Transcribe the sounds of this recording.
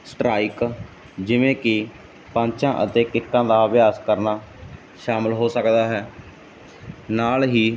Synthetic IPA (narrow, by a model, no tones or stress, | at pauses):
sʈɾaːik | d͡ʒɪʋẽːkɪ | pãːɲt͡ʃãːʔə̰t̪eːkɪkːãːd̪aːbɪjaːskəɾnaː | ʃaːməlɦoːsəkd̪aːɦɛː | naːlɦiː